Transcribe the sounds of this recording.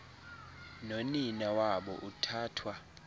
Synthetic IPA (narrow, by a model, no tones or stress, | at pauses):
noninawaɓɔ̰ʔutʰaːtʰwa